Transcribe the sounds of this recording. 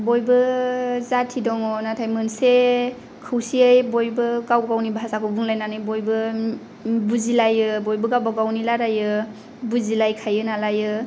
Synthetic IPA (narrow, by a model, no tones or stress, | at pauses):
bojbɯzatʰidɔŋɔnatʰajmɯnse | kʰɯwsiajbojbɯɡawbaɡawnibazakʰɔbuŋlajnanɯjbojbɯ | buzilajɯbojbɯɡawbaɡawnilaɾajɯ | buzilajkʰajɯnalajɯ